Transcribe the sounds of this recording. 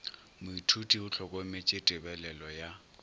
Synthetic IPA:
mʊitʰutʼiʊt͡ɬʰɔkʼɔmɪt͡ʃʼɪtʼɪbɛlɛlɔja

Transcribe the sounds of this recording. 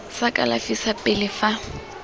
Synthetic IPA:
sakʼa̰lafisapʼɪlɪfa

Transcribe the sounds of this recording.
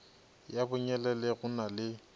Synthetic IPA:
jabʊɲɛlɛlɛɣʊnalɪ

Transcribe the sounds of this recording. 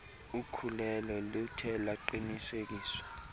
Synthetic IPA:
ukʰulɛlɔlutʰɛlaǃinisek̬iːswḁ

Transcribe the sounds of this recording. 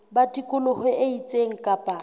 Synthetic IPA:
batʼikʼʊlʊhʊʔeit͡sʼeŋ̩kʼapʼa

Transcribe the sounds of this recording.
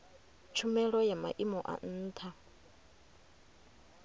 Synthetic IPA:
t͡ʃʰumɛɺɔjama̰ʔimɔʔa̰n̩ːt̪ʰa

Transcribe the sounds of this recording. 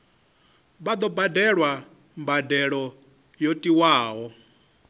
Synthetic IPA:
bad̪ɔbadɛɺwa | mbadɛɺɔ | jotʼiwaːɦɔ

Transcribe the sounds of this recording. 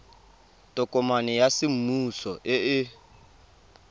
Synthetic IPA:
tʼʊkʼʊmanɛjasɪm̩musɔʔɪɪ

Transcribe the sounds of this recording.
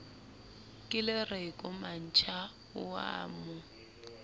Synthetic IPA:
kʼɪlɪrekʼʊman̩t͡ʃʰa | ʊa̰ːmʊ

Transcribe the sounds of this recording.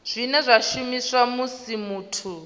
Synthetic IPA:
z̥ʷinɛzʷaʃumiswamusimuːtʰu

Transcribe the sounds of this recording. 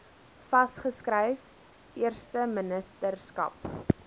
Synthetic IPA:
fɐsχəskrəjf | iərstəmənəstərskɐ̰p

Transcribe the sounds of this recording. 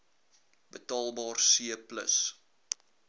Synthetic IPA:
bətɑːlˠbɑːrsiəplə̰s

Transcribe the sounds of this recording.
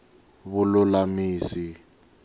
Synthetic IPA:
βʊlʊlamiːsi

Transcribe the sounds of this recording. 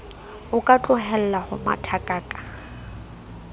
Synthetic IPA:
ʊkʼat͡ɬʼʊɦɛl̩lahʊ̰ma̰tʰakʼaːkʼḁ

